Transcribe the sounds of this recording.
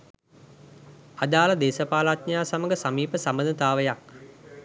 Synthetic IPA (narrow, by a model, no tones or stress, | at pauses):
ad̪aːləd̪eːsəpaːlat̪̚ɲaːsaməɡəsamiːpəsambəd̪ət̪aːʋəjak̚